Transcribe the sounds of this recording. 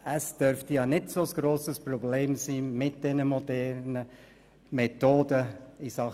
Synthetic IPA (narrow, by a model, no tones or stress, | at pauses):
əsd̥øɾftijɑːnɪdsoəsɡ̥ɾoːsəsprɔbleːmsiːmɪt̚d̥ɛnəmodɛrnə | mɛtoːdəisɑχ